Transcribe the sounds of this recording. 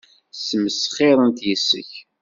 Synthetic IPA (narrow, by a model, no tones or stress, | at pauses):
səməsχeɾˤənt̪jəsːə̰ç